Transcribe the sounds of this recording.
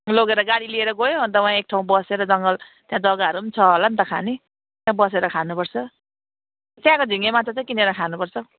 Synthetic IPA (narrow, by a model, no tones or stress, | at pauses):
loɡeɾʌɡaɽilieɾʌɡojoɦʌnt̪ʌwãek̚ʈʰaw̃bʌseɾʌd͡zʌŋɡʌl | t̪jãd͡zʌɡaɦʌɾuʌnit͡sʰʌɦolant̪ʌkʰa̰ni | t̪jãbʌseɾʌkʰanupʌrt͡sʰʌ | t̪jãkod͡zʱiŋemat͡sʰʌt͡sãj̃kineɾʌkʰanupʌrt͡sʰʌ